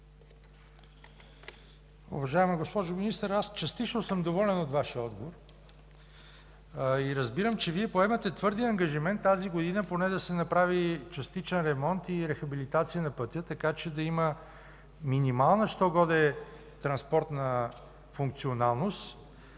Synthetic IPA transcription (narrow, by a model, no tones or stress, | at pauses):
ṵvɐʒaɛmɐɡospɔʒʊminist̪əɾast͡ʃɐst̪it͡ʃnosəmd̪ovɔlɛnot̪vaʃiəɔd̪ɡovoɾ | iɾɐzbiɾəmt͡ʃɛviɛpoɛmɐt̪ɛt̪vɤɾd̪iɐŋɡəʒimɛnt̪ːaziɡod̪inəponɛd̪ɐsɛnɐpɾavit͡ʃɐst̪it͡ʃɛnɾɛmɔnt̪iɾɛxɐbilit̪at̪sijənɐpət̪ʲət̪ɐkat͡ʃɛd̪ɐimə | minimalˠnəʃt̪ɔɡɔd̪ɛ | t̪ɾɐnspɔɾt̪nə | fuŋk̚t̪sionalˠnost̪